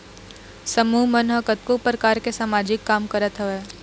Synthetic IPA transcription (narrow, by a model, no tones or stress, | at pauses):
səmuːɦmənɦəkət̪̚kopɾəkaːɾkesamaːd͡ʒɪkːaːmkəɾət̪ɦəʋeː